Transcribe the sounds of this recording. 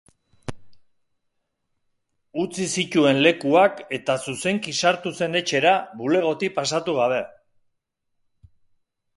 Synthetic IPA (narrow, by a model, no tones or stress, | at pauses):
ut͡sisic̪ue̞nle̞kuake̞t̪asuse̞ŋkisaɾt̪use̞ne̞t͡ʃe̞ɾaβule̞ɣ̞o̞t̪ipasat̪uɣ̞aβ̞e̞